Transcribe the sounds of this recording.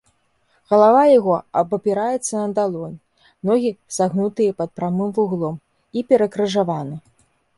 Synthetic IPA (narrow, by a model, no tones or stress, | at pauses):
ɣɐlˠavajaɣɔɐbɐpʲiɾajɛt̪sːɐnɐd̪alˠɔnʲ | nɔɣʲiz̥aɣnut̪ɨjɐpɐt̪̚pɾamɨmvuɣlˠɔm | ipʲɛɾɐkɾɨʐavanɨ